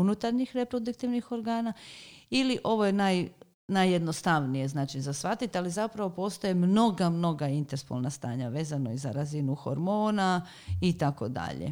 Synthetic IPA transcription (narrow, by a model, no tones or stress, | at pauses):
unut̪aɾɲixɾe̞pɾo̞d̪ukt̪iʋnixo̞ɾɡaːnailiʔo̞ʋo̞jenaj | najːe̞d̪no̞st̪aʋnije̞znaːt͡ʃizasʋat̪it̪alizapɾaʋo̞po̞ːst̪ojemno̞ɡamno̞ɡaint̪eɾspo̰lˠnast̪a̰ːɲaʋe̞ːzano̞iza̰ɾazinuxo̞̰ɾmo̞ːna | it̪ako̞̰d̪a̰ʎḛ